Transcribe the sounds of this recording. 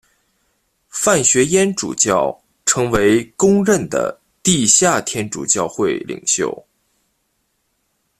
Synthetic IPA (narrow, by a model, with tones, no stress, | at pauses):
fa˥˩nɕɥɛ˧˥jɛ˥nʈ͡ʂṵ˨˩t͡ɕjɑ˥˩ʊ | ʈ͡ʂʰɤ˧˥ŋwe˧˥ɪkʊ˥ŋɻə˥˩nd̪ə̰˩ | t̪i˥˧ɕja˥˩t̪ʰjɛ˥nʈ͡ʂṵ˨˩t͡ɕjɑ˥˧ʊxwe˥˩ɪlḭ˨˩ŋɕjo̰˥˩ʊ